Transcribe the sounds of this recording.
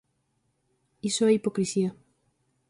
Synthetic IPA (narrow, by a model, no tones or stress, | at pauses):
isoaipokɾisia